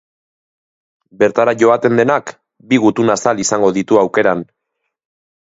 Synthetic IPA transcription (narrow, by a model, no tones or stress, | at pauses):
be̞ɾt̪aɾaʝo̞at̪e̞nd̪e̞nak | biɣut̪unasalisaŋɡo̞ðit̪uawke̞ɾan